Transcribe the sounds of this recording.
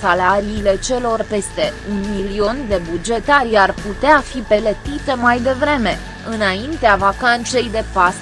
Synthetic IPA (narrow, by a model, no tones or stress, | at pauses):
salaɾiːle̞t͡ʃe̞lo̞rpe̞st̪e̞unmilio̞nd̪e̞bud͡ʒe̞t̪aɾʲarput̪eafipe̞let̪it̪e̞majd̪e̞vɾe̞me̞ | ɨnaint̪eavakant̪se̞jd̪e̞pas